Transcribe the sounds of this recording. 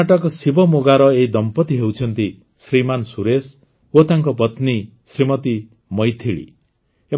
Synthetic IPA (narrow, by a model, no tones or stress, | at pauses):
aʈʌkɔsibʱɔmoɡaɾʌeid̪ʌmpɔt̪iɦewt͡ʃʰʌnt̪i | sɾimansuɾes | ot̪aŋkɔpʌt̪ni | sɾimʌt̪i | mʌjt̪ʰiɭḭ | e